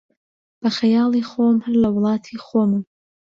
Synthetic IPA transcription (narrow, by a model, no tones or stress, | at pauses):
b̥ɐxɐjɑːlˠiːxoːmhɨɾlɐwʊlˠɑːt̪ʰiːxoːmɨ